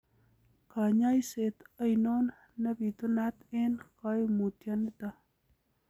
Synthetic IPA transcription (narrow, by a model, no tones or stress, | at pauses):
kaɲajset̪əjnonː | ɐbit̪unat̪enkajmut̪janɪt̪a